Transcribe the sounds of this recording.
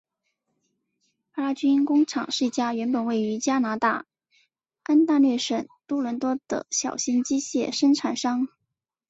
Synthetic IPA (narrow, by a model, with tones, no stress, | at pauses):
pa˧˥la˥t͡ɕy˥nkʊ˥ŋʈ͡ʂʰɑ˨˩ŋʂɻ̩˥˩t͡ɕja˥ɥɛ˧˥npə˨˩nwe˥˩ɪy˧˥t͡ɕja˥na˧˥t̪a˥˩ | a˥nt̪a˥˧lɥɛ˥˩ʂə˨˩nt̪ɔ˥lwə˧˥nt̪wɔ˥d̪̥ə̰˧˩ɕjɑ˨˩ʊɕi˥nt͡ɕi˥ɕjɛ˥˩ʂə˥ŋʈ͡ʂʰa˨˩nʂɑ˥ŋ